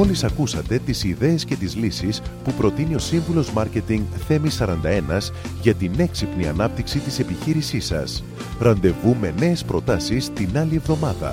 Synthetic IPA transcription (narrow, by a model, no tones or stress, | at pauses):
o̞lisɐkusɐt̪e̞t̪isiðe̞ːsce̞t̪izlisispupɾo̞t̪inio̞siɱvulo̞zmɐɾce̞t̪iŋɡθe̞misɐɾɐnd̪ɐe̞nɐz | ʝɐt̪ine̞ksipniɐ̰nɐp̚t̪iksit̪ise̞piçiɾisisɐ̰s | ɾɐnd̪e̞vume̞ne̞ːspɾo̞t̪ɐsist̪inɐlie̞vðo̞mɐðɐ̰